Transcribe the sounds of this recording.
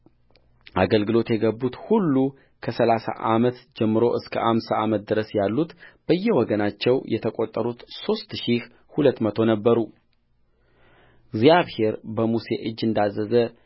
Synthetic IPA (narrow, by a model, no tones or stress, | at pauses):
ʔaɡəlɡɨlo̞t̪jɛɡəbːut̪hulːu | kʰəsəlasa̰ʔamət̪d͡ʒɛmːɨɾo̞ʔɨskʰəʔamsaamət̪̚d̪ɨɾəsjalːut̪b̥əjːɛwɔɡənat͡ʃːɛwjʔɛt̪ʰəkʼo̞t̪ʼːəɾut̪so̞st̪ʃih | hulət̪ːmət̪ʰo̞nəbːəɾu | ɡzijaβhe̞ɾbəmuse̞̰ʔɨd͡ʒːɨnd̪azːəzə